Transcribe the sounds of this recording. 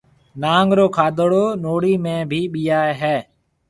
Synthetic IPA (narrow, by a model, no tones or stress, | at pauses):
naːŋɡɾoːkʰaːd̪ɽoːnoːɽiːmẽːbʱiːɓijaːeɦɛː